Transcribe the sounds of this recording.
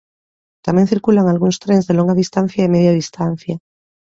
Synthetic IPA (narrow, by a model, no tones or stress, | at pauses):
t̪amjen̟θiɾkulaŋalɣunst̪ɾẽnzðelo̞ŋɡaðist̪ãn̟θjaemeðjaðist̪an̟θja